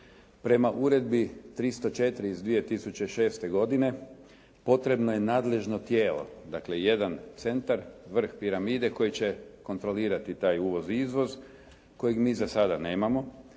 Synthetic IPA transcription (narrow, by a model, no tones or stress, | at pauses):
pɾe̞maʔuɾe̞d̪̚bit̪ɾist̪ot͡ʃe̞t̪ɾiːzd̪ʋijet̪isut͡ɕe̞ʃe̞ːst̪e̞ɡo̞d̪ine̞ | po̞t̪ɾe̞bno̞je̞naːd̪le̞ʒno̞t̪jeːlo̞̰d̪akle̞je̞d̪ant̪se̞nt̪aɾʋr̩xpiɾamiːd̪e̞ko̞jit͡ɕe̞ko̞nt̪ɾo̞liːɾat̪it̪aːjuːʋo̞zizʋo̞z | ko̞jeɡmiːzasad̪ane̞ːmamo̞